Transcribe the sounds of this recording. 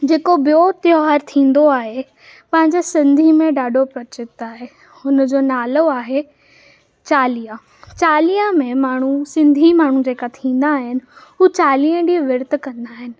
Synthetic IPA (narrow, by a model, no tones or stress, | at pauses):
d͡ʑeːkobijot̪joɦaːɾt̪ʰĩːn̆d̪oaːɦe | pɐ̃ɦɪ̃ɲd͡ʑesɪ̃nd̪ʱimẽɖaːɖʱopɾɐt͡ɕɪt̪aːɦe | ʊnd͡ʑoːnaːloaːɦe | t͡ɕaːlijã | t͡ɕaːlijãmẽmaːɳ̤usɪ̃nd̪ʱimaːɳ̤ũd͡ʑeːkat̪ʰĩːnd̪aːɦɪnɪ̆ɦuːt͡ɕaːliə̃ɖiːʋɪɾt̪kɐ̃nd̪aːɦɪnɪ̆